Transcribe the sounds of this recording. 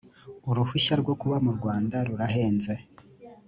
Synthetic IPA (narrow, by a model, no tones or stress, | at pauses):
uɾufuʃaɾɡwo̞kuβamuɾɡwaːndaɾuɾaɦe̞ːnze̞